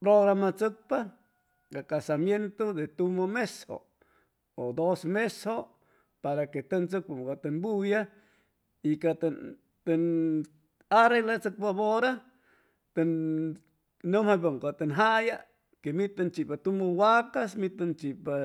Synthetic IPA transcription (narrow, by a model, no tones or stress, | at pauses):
pɾoɣɾamat͡sɨk̚pa | kakasamjent̪od̪et̪umomesho̰ | od̪osmesho | paɾaket̪ənt͡sɨk̚pamkat̪ənbuja | ikat̪an | t̪ən | aɾelat͡sɨk̚paβoɾa | t̪ən | nːɨmhabaŋkat̪enɦaja | kemit̪ant͡ʃiʔpat̪umowakasmit̪ant͡ʃipa